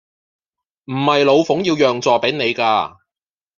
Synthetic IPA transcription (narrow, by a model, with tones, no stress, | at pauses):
m̩˨˩hɐ˨jlo˨˧wfʊ˨˥ŋjiː˧wjœː˨ŋt͡sɔː˨pe˨˥ne˨˧jkaː˧